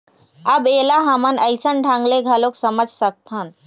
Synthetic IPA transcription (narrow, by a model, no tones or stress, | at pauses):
ɐbeːlaɦamənəɪsənɖʱãːŋɡleɡʱaloksəməd͡ʒʱsək̚t̪ʰaːn